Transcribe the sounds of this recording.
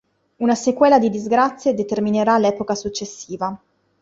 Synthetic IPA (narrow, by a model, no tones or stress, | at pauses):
unasekwɛːlad̪id̪izɡɾat̪sːjed̪et̪ermineɾalɛːpokasut͡ʃːesːiːva